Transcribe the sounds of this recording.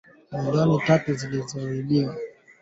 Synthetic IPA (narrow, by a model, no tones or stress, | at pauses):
mundɔnitatuzilizɔiɗiwa